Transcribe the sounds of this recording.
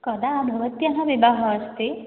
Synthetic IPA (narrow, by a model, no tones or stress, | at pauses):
kɔd̪aːbʱəʋət̪jaɦãʋibaɦɔːst̪e